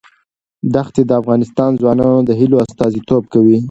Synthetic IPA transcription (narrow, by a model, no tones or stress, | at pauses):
d̪axt̪ed̪əafɣɑnɪst̪ɑnzwɑnɑnod̪əɦiloast̪ɑzit̪ob̚kawi